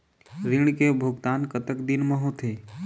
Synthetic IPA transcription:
ɾɪɳ̃kebʱʊɡt̪aːnkət̪əkd̪ɪnməɦõt̪ʰeː

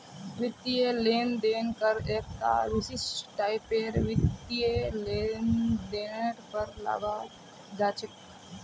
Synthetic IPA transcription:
ʋɪt̪ːieleːmd̪eːnkəɾeːkt̪a̰ːɾusɪsʈaːɪpeːɾʋɪt̪ːieleːnd̪eːnəʈpəɾla̰ːɡa | d͡ʒaːt͡ʃʰe

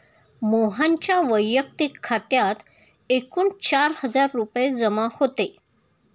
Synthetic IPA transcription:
moɦaɲt͡ɕjaʋəjːək̚t̪ikʰːat̪jat̪ | ekuːɳt͡ɕaɾhəd͡zaɾːupjed͡zəmahot̪e

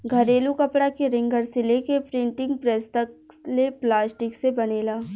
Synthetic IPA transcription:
ɡʱɐɾeːlukɐpɽakeɾɪ̃ŋɡʱəɾsɪlekepɾɪ̃ɳʈɪ̃ŋɡpɾɛːst̪ək̚leplaːsʈɪksebɐneːlaː

